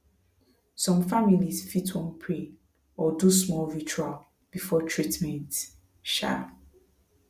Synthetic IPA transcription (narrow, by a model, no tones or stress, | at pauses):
sɔ̃mfamilisfitʰwɔ̃npʰɹe | ɔdusmɔlvit͡ʃual | b̥ifɔtʰɹitmɛ̃nt | ʃa̰